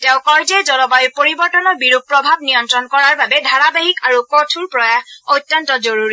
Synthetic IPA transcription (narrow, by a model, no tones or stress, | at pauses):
tɛʊ̃kɔɹzɛzɔlɔbajupoɹibɔɹtɔnɔɹbiɹuɡ̚pɹɔbʱab̚nijɔntɹɔnkɔɹaɹbabɛdʱaɹabaɦikaɹukotʰulpɹɔjahotːɔntɔzoɹuɹi